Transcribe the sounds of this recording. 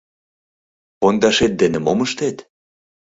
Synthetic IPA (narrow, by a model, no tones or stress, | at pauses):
pond̪ɑʃet̪̚d̪enĕmoməʃt̪et̪